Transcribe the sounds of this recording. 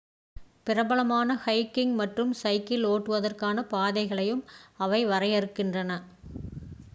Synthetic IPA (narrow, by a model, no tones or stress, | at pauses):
pɪrɐbɐɭɐmaːnɐhɐɪkːɪŋɡmɐʈrɯmsɐɪkːɪloːʈːɯʋɐðɐrkaːnɐpaːðɐɪɣɐɭɐjɯmɐʋɐɪʋɐrɐjɐɾɯkːɪndrɐnɐ